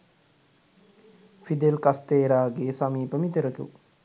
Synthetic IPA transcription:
fid̪elkast̪eːɾaːɡeːsamiːpəmit̪əɾəkṵ

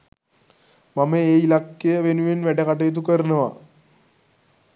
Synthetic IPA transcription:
mɐmeeilɐkːeʋenuʋenʋeʈekɐʈ̬ːejt̪̬ːukːɐrinːɐʋa̰

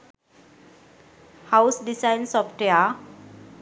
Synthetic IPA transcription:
haʊsɖisajnsɔfʈea

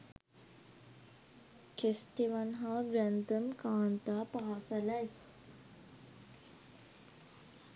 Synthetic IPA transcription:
kʰesʈeʋanɦãɡɾənt̪əmkaːɳt̪apaasalaj

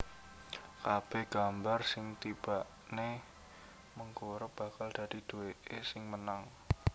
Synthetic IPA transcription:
kab̥ɛɡ̥ambarsɪŋt̪ib̥aʔ | ne | məŋkuɾʊp̚b̥a̤kald̪̥a̤d̥id̪̥uweʔesɪŋmənaŋ

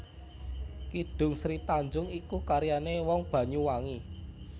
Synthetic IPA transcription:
kiɖ̥ʊ̤ŋsɾit̪aɲd͡ʒʊŋikukaɾjanewɔŋb̥a̤ɲuwaŋi

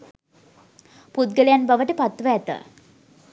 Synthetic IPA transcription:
put̪ɡəlejanbaʋəʈəpat̪ʋəɛt̪ə̰

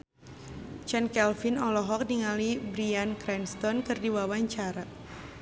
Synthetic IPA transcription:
t͡ʃɛnkɛlfinɔlɔɦɔk̚niŋalibɾiankɾɛnst̪ɔnkɨrdiwawaɲt͡ʃaɾa

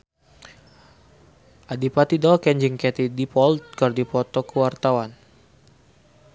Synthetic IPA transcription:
ʔadipat̪idɔkɛɲd͡ʒɨŋkɛt̪idipɔlt̪̚kɔrdipɔt̪ɔkəwart̪awan

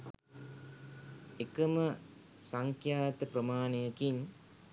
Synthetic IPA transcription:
ekəmə | saŋkʰjaːt̪əpɾəmaːnejəkiɲ

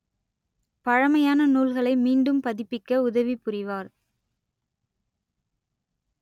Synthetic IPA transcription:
pɐɻɐmɐjaːnɐnuːlɣɐɭɐɪmiːɳɖɯmpɐðɪpːɪkːɐʊðɐʋipʊrɪʋaːɾ

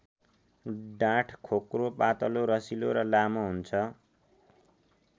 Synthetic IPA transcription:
ɖãʈʰkʰokropat̪ʌloɾʌsiloɾʌlamoɦunt͡sʰʌ

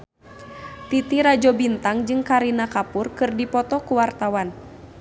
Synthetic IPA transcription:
t̪it̪iɾad͡ʒɔbint̪aŋd͡ʒɨŋkaɾinakapurkɨrdipɔt̪ɔkuwart̪awan

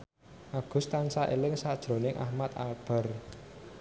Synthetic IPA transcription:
ʔaɡ̥ʊ̤st̪ansaʔelɪŋsad̥ʒ̥ɾo̤nɪŋʔa̰hmat̪a̰lb̥a̤r

